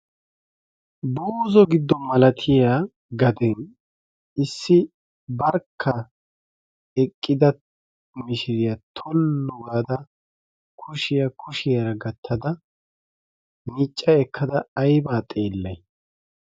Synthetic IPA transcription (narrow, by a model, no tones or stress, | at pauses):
buːzɔɡɪd̪ːɔmɐlɐt̪ʰɪja | ɡɐd̪ɛn | ɪsːɪ | bɐɾkʰːɐ | ɛkʼːɪd̪ɐ | mɪʃɪɾɪjɐt̪ʰɔlːɔɡaːd̪ɐ | kʰʊʃɪjɐkʰʊʃɪjɐɾɐɡɐt̪ʰːɐd̪ɐ | nit͡ʃʼːɐɛkʰːɐd̪ɐːjbaːt̪ʼe̞ːlːɐj